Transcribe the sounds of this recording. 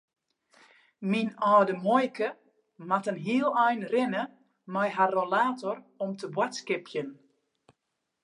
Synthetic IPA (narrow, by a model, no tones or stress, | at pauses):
minɔːdəmɔjkʰə | matənɦiəlˠɛjnrɪnə | mɛjɦarolaːtorɔmtʰəbwatskɪpʰjən